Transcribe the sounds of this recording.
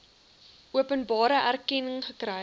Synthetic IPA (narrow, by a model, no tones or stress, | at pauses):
ʔuəpənbɑːɾəʔærkɛnəŋχəkrə